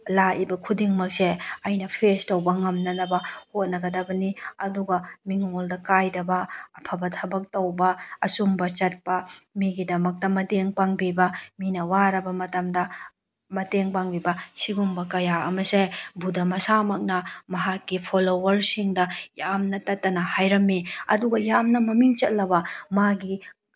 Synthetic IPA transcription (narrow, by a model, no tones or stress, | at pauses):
laʔibɐkʰudiŋmɐk̚seɐjnɐpʰestɐwbɐŋɐmnɐnɐbɐhot̚nɐɡɐdɐbɐniɐduɡɐmiŋoldɐkajdɐbɐɐpʰɐbɐtʰɐbɐk̚tɐwbɐɐsumbɐt͡ʃɐt̚pɐmiɡidɐmɐk̚tɐmɐdeŋpaŋbibɐminɐwaɾɐbɐmɐtɐmdɐ | mɐteŋpaŋbibɐsiɡumbɐkɐjaɐ̰mɐsebudɐmɐsamɐk̚nɐmɐɦakːipʰolowɐɾsiŋdɐjamnɐtɐtːɐnɐhajɾɐmːiɐ̰duɡɐjamnɐmɐmiŋt͡ʃɐt̚lɐbɐmaɡi